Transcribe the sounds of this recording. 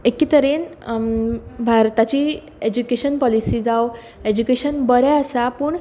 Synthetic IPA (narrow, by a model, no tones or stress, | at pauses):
ekit̪əɾen | bʱaɾt̪at͡ɕiː | ed͡ʑukeɕənpɔlisiːd͡zaw | ed͡ʑukeɕənbəɾɛəsapuːɳ